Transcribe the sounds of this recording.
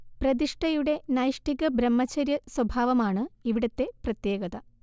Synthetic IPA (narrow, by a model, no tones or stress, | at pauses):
prɐd̪iʂʈɐjuɽe̞nɐjʂʈiɣɐbɾɐmːɐt͡ɕːɐɾjɐswɐbʱaːʋɐmaːɳɨiʋiɽɐt̪ːe̞prɐt̪jeːɡɐðɐ